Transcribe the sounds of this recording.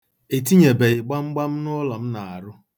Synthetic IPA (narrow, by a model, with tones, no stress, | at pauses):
e˨t̬i˦ɲe˨be˨ɪ˨ɡ͡ba˦ŋ͡m̩˦ɡ͡ba˦m̩˦nʊ˦ɔ˦lɔ˨m̩˦na˨a˨ɾʊ˦